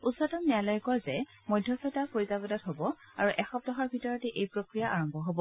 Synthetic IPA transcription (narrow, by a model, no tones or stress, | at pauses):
usɔtɔnialɔjkɔazɛ | mɔjdʱjɔsɔtapoɹizabɔdatɦobɔ | aɹuʔɛxɔp̚dɔɦaɹbʱitɔɹɔtɛʔejpɹokɹijaʔaɹɔmbʱɔɦobɔ